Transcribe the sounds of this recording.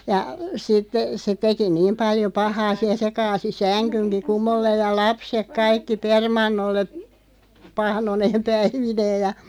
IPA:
jɑ sitːe̥ se teki niːm pɑljo pɑhɑː siæ se kɑːsi sænkynki kumolːeːj jɑ lɑpsek kɑikːi permɑnːolːe pɑhnoneːm pæiʋineːj̆ jɑ

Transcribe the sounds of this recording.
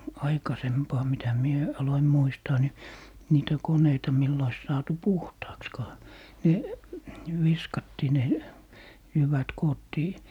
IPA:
ɑikɑsempɑː mitæ mie ɑloim muistɑː ni niːtæ koneitɑ milː ois sɑːtu puhtɑːkskɑː ne ʋiskɑtːiː ne jyʋæt koːtːiː

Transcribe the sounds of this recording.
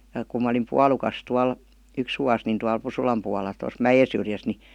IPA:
jɑ kum mɑ olim puɑlukɑs tuɑl yks ʋuɑs nin tuɑl pusulɑm puɑlˑɑ tos mæjesyrjæs ni

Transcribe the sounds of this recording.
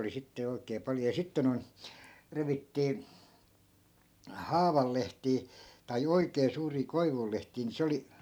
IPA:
oli sitːe jo oi̯kˑeː pɑljo jɑ sitːe noi̯n reʋitːiː hɑːʋɑl lehtiː tɑi oikeː suːriː koiʋul lehtiː ni se oli

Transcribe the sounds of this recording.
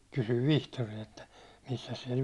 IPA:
kysyʋ ʋihtoriɑ etːæ misːæs siɛl

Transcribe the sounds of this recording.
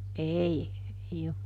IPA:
ʔei ei op

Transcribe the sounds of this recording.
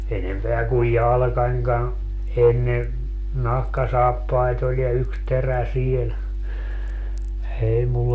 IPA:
enempeæ kuj jɑlɑ̆kɑnʲkɑn enːe nɑhkɑsɑːpːɑit olʲ jɑ yks teræ siel ei mulː

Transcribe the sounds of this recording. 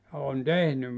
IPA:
jɑ on tehnym

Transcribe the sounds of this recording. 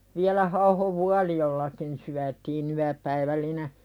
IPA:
ʋiælæ hɑuhoʋ ʋuɑlijolːɑkin syætiːn yæpæiʋælːine

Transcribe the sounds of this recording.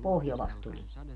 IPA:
pohjolɑst tulie

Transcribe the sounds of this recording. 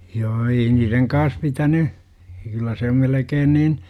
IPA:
joː ei niːreŋ kɑːs pitæny kylːæ se om melekeːn niːn

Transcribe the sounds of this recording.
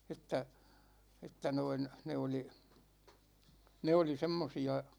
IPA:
etˑæ etːæ noin ne oli ne oli semːosiɑ

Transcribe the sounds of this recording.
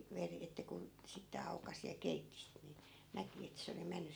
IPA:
ʋeri etːæ kun̞ sitːe ɑukɑsi jɑ keitːi sit ni næki et se oli menːy

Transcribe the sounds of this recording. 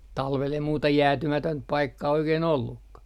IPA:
tɑlʋel jɑ muːtɑ jæːtymætønt pɑikːɑː oikein olːukːɑ

